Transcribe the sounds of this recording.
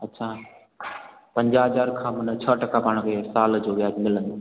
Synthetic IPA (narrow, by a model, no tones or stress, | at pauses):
ɐtːt͡ɕʰaː | pɐ̃ɲd͡ʑaɦɐzaːɾkʰãːmʊnət͡ɕʰəʈɐkapaːɽ̃kʰeːsaːld͡ʑoːʋjaːd͡ʑmɪlə̃nd̪oː